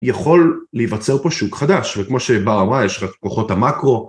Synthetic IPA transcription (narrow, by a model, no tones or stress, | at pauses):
jaχo̞lːejvat͡se̞ʁpoʃukχad̪aʃvekmo̞ʃebaʁamʁajeʃʁatlkoχo̞thamakʁo̞